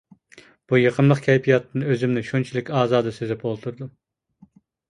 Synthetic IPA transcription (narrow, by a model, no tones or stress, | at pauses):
b̥ujeqʰəmlˠəqkʲʰɛjpʲʰijɑt̪ʰːɨnøzymnɪʃunt͡ʃʰilˠɪkʲɑːzɑːd̪ɨsezɛpolˠt̪ʰuɾd̪u